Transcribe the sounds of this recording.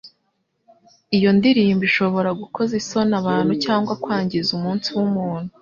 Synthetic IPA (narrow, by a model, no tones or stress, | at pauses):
ijo̞ndiɾiːmbiʃo̞βo̞ɾaɡuko̞zisonaβaːn̥hucaːŋɡwakwaːɲɟizumuːnsiwumuːn̥hu